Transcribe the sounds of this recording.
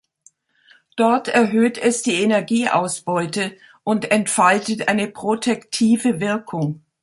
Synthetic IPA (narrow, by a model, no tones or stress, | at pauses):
d̥ɔɐtʰɛɐɦøːtʰɛsd̥iːenɛɐɡiːʔa̰ʊsb̥ɔʏtə | ʔʊntɛntfaltətʔaɪnəpʁ̥otʰɛktʰiːvəvɪɐkʰʊŋ